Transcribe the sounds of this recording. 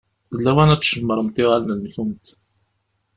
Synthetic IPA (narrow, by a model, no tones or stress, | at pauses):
ðəlːæwænæt͡sːʃəmːəɾˤəmt̪ɪʁalnəlːçumt̪